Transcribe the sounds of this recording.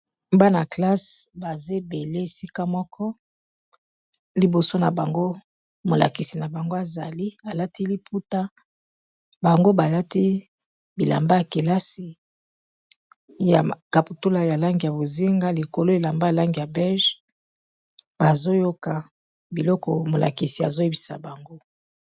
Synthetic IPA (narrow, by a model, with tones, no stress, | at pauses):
mba˦na˨kla˦sba˨ze˦be˨le˦e˨si˦ka˦mɔ˦kʰɔ˦ | li˨bo˨so˦na˨ba˨ŋɡo˦ | mo˨la̰˨ki˨si˨na˨ba˨ŋɡo˦a˨za˨li˦a˨la˦ti˦li˦pʰu˦ta˦ | ba˨ŋɡo˦ba˨la˦ti˦ | bi˨la̰˨mba˦a˨ke˨la˦si˨ | ja̰˨ka˨pu˨tu˦la˨ja˨la˦ŋɡi˨a˨bo˨zi˦ŋɡa˦li˨ko˨lo˦e˨la˨mba˦ja˨la˦ŋɡi˨ja˨bɛ˦lʒ | b̥a˨zo˦jo˦ka˨ | bi˨lɔ˦kɔ˨mo˨lʔa̰˨ki˨si˨a̰˨zo˦e˦bi˨sa̰˨ba˨ŋɡo˦